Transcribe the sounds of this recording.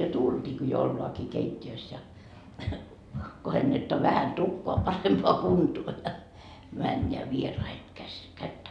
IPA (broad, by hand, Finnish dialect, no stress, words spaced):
jo tultʲiːki jo olːɑːki keitʲːiøs jɑ kohenːetːoɑ ʋæhæn tukːoɑ pɑrempoɑ kuntuo jɑ mænːeæ ʋierɑiheŋ kæs kætːæ